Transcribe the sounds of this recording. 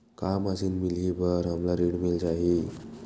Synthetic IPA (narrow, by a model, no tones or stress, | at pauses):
kaməsiːnmilibəɾɦamlaɾiɽmild͡ʑaɦi